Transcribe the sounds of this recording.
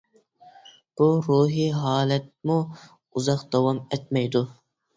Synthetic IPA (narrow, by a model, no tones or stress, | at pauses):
b̥uɾuːɦiɦɑːlɛt̪̚mu | uzɑqd̪ɑwɑmɛt̪̚mɛjd̪u